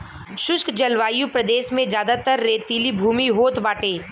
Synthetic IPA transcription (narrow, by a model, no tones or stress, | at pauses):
ʃʊʃkd͡ʒɐlʋaːjũpɾɐd̪eːʃmẽzjaːd̪at̪əɾːeːt̪iːlibʱuːmiɦoːt̪baːʈeː